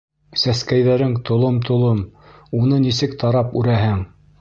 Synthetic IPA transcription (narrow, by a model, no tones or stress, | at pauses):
sæskæjðæɾɘŋt̪ʰŏlˠomt̪ʰŏlˠomunɤnisɘkt̪ʰɑɾɑpʉɾæhɘŋ